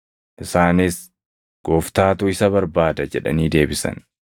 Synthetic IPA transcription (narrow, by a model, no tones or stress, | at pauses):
ʔɪsaːnɪs | ɡ̥oːft̪aːt̪uɪsɐβɐɾbaːd̪ɐd͡ʒɛᶑɐ̰niːd̪e̞ːbɪsɐ̰n